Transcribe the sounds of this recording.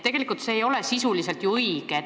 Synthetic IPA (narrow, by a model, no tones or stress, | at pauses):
t̪e̞ɡelikult̪se̞ːjo̞le̞sisulise̞lt̪juɤiɡ̥e